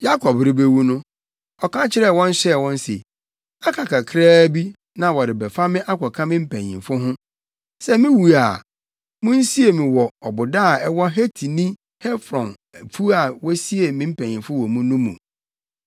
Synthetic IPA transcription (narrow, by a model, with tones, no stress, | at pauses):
ja˦kʰɔ˨bɾɪ˦be˦wu˦nʊ̃˦ | ɔ˨kʰã˦t͡ɕʰɪ˦ɾɛ˦˨wɔ̃˦n̩˦ɕɛ˦˨wɔ̃˦n˦sḛ˨ | a˦kʰa˨kʰa˨kʰɪ˦ɾɛː˦bi˦ | nã˨wɔ˨ɾɪ˨bɛ˨fa˦mɪ̃˦ʔa˦kʰɔ˨kʰã˦mɪ̃˦m̩˦pʰæ̃˨ɲḭ̃˨mfʊ˦ɦʊ̃˦ | sɛ˦mĩ˦wu˨a˨ | mʊ̃˦n̩˦si˦e˨mĩ˨wɔ˨ɔ˨bʊ˨da˦˨ɛ˦wɔ˦ɦe˦tʰi˨nĩ˦ | hɛ˦fɾɔ̃˨n | æ˨fʰu˦a˨wɔ˦si˦e˨mĩ˦m̩˦pʰæ̃˨ɲ˨ĩ˨fʊ˦wɔ˨mũ˦nũ˦mṵ̃˨